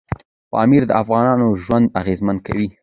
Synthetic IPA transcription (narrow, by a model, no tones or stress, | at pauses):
pɑ̰miɾd̪əafɣɑnɑnoʒwand̪aɣezmanka̰wi